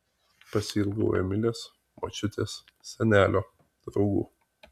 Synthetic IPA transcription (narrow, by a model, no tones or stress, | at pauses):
pɐsʲilˠɡɐ̰ʊjɛ̰mʲɪlʲeːs | mo̰t͡ʃʲʊt̪ʲeːs | sʲɛnʲæːlʲoː | d̪̥ɾɒʊɡṵː